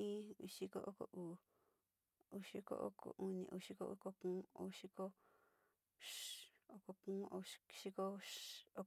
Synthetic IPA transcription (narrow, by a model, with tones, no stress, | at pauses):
ĩ˦u˧ʃi˧ko˦ʔo˦ko̰˧˨ʔu˨ | u˧ʃi˧˦ko̰˧˦ʔo̰˦ko̰˨ʔu˧nḭ̃˧ʔṵ˧ʃi˧˦ko̰˦ʔṵ˦ko˧kũː˦o̰˧ʃi˧˦ko˦ | ʃo˧ko˧kũː˦o˧ʃi˦ko˦o˦